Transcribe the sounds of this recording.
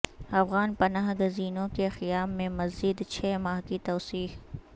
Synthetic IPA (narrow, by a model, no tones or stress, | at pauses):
ɐfɣaːnpɐnaːɦɡʊziːnõkexɪjaːbmẽmɐzd͡ʒid̪t͡ʃʰɛːmaːɦkit̪ɔːsiːh